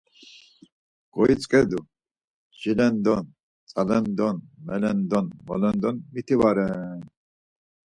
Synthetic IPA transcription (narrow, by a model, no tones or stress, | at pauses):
ɡ̥ɔit͡sʼkʼɛd̪u | ʒilɛnd̪ɔn | t͡sʼalɛnd̪ɔnmɛlɛnd̪ɔnmɔlɛnd̪ɔnmit̪ʰivaɾɛn